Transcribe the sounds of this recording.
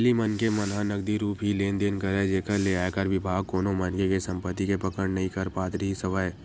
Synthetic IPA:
limənkemɐnɦãnɐɡd̪iɾuːpʰɦileːnd̪eːnkəɾed͡ʒeːkəɾleaːekəɾʋɪbʱaːɡ̚koːnomɐnkekesɐ̃mpət̪ːikepɐkəɽnɐɦĩkɐɾpaːt̪ɾəɦisɐʋaːe

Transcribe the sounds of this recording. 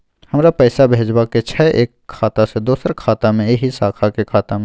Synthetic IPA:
həmɾapəjsabʱed͡ʒbaket͡ʃʰɛʔeːkʰːaːt̪ased̪oːsəɾkʰaːt̪amẽeɦisaːkʰakekʰaːt̪am

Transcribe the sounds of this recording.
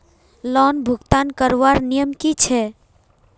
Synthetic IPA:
lɔːnbʱʊɡt̪aːnkəɾʋaɾnijəmkit͡ʃʰɛ

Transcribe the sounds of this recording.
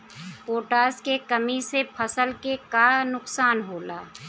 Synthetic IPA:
oːʈaːskekəmisepʰəsəlkekanʊksaːnɦoːlaː

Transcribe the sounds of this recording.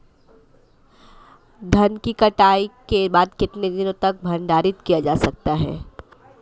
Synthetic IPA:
d̪ʱɐnkikɐʈaːikebaːd̪kɪt̪ned̪ɪnõt̪ɐk̚bʱɐnɖaːɾɪt̪kijad͡ʒaːsɐk̚t̪aɦɛ̰ː

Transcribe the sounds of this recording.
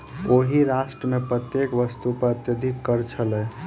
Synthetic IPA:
oɦiɾaʃʈɾəmepɾət̪jekʋəst̪upəɾət̪jəd̪ʱikːəɾt͡ʃʰəlɛ

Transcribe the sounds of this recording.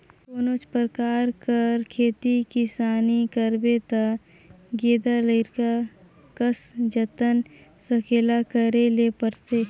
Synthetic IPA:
koːnoːt͡ʃpəɾəkaːɾkəɾkʰeːt̪ikɪsaːnikəɾbet̪a | ɡeːd̪aləɪɾka | kəsd͡ʒət̪ənsəkʰeːlakəɾelepəɾse

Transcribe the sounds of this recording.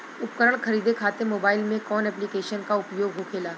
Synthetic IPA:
ʊpkəɾəɽ̃kɐɾiːd̪ʱekʰaːt̪emoːbaːɪlmẽkɔːnɛːplikeːʃənkaʊpjoːɡɦokʰeːlaː

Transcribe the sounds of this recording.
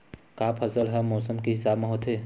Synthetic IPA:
kaːpʰɐsəlɦɛmɔːsəmkiɦɪsaːbmẽɦot̪ʰɦeː

